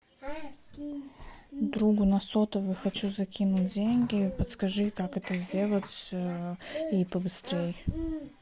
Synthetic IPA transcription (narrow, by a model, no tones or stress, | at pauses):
d̪ɾuɡʊnɐsot̪əvɨxɐt͡ɕuzɐkʲinʊtʲdʲenʲɡʲɪpət̪skɐʐɨkakɛt̪əzʲdʲe̞lˠətʲ | ipəbɨst̪ɾʲej